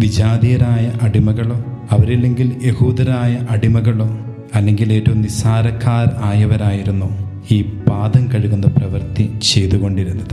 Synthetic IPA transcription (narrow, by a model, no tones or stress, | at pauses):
ʋid͡ʑaːd̪ijɐɾaːjɐʔɐɽimɐɣɐɭo̞ːɐʋɐɾilːe̞ŋɡilje̞huːd̪ɐɾaːjɐʔɐɽimɐɣɐɭo̞ː | ɐlːe̞ŋɡile̞ːtːɐumnisaːɾɐkʰːaːɾaːjɐʋɐɾaːjiɾunːu | iːbaːd̪ʱɐmkɐɻuɣunːɐprɐʋɐrt̪it͡ɕe̞jt̪uɣo̞ɳɖiɾunːɐðɨ